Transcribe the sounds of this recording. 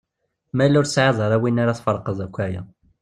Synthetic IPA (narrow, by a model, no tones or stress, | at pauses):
mælʊɾsʕɑðˤəɾˤæwinaɾaθfəɾˤqəzˤækʷːæjæ̰